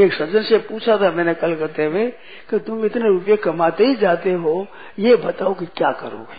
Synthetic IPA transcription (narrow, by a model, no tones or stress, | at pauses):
eːksɐd͡ʒənsepuːt͡ʃʰat̪ʰamɛ̃ːnekɐlkɐɾt̪eʋe | kit̪ʊmɪt̪neɾup̬jekɐmaːt̪eɦid͡ʒaːt̪eɦoː | jebɐt̪aːokikjaːkɐ̰ɾo̰ːɡi